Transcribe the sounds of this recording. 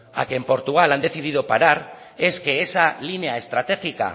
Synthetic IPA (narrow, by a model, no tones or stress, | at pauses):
a̰kempo̞ɾt̪uɣ̞aland̪e̞θið̞iðopaɾaɾ | e̞ske̞ːsaline̞ae̞st̪ɾat̪e̞xika̰